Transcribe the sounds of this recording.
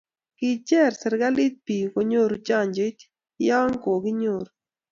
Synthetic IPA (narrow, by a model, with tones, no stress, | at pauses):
kɪ˨t͡ʃɛ˦˨ɾsɛ˨ɾɡa˦li˦t̪̚pi˨ko˨ɲo˦ɾt͡ʃa˦˨ɲd͡ʒe˦t | jɔ˦ŋko˨ɡɪ˦ɲo˨ɾ